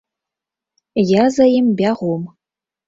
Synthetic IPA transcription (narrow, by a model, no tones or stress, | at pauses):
jazajimbʲaʁʷum